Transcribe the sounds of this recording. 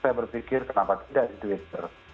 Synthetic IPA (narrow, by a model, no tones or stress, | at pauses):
ajabərfikɪrkənapat̪idaʔit̪uit̪ər